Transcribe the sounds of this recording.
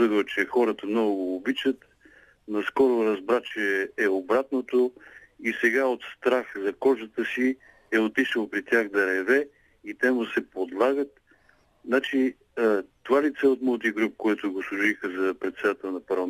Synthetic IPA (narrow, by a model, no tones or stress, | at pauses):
əd̪t͡ʃɛxɔɾət̪əmnɔɡʊɡoːbit͡ʃət̪ | nɐskɔɾʊɾɐzbɾat͡ʃɛːobɾat̪not̪o | isɛɡaot̪st̪ɾaxzɐkɔʒət̪əsi | ɛot̪iʃəlˠpɾit̪ʲjaxd̪ɐɾɛvɛ | it̪ɛmʊsɛpod̪lˠaɡət̪ | nat͡ʃi | t̪ovalit̪sɛot̪mɔlt̪̬iɡɾup̚koɛt̪ʊɡoslˠʊʒixəzɐpɾɛt̪sɛd̪at̪ɛlˠnɐpɐɾlˠɐ